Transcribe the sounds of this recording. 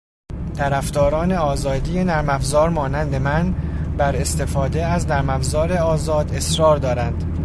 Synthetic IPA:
t̪ʰæɾæfd̪ɒːɾɒːne̞ɒːzɒːd̪ije̞næɾmæfzɒːɾmɒːnænd̪e̞mænbæɾe̞st̪e̞fɒːd̪e̞æznæɾmæfzɒːɾe̞ɒːzɒːd̪e̞sɾɒːɾd̪ɒːɾænd̪̥

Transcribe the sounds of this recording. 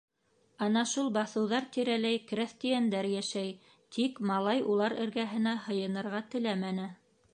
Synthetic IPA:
ɑnɑʃulˠbɑθɤ̆wðɑɾt̪iɾælæjkɾæθt̪ijænd̪æɾjæʃæj | t̪ʰikmɑlˠɑjulˠɑɾɘ̆ɾɡæɦɘ̆næhɤ̆jɤ̆nɤ̆ɾʁɑt̪ɘ̆læmænɘ

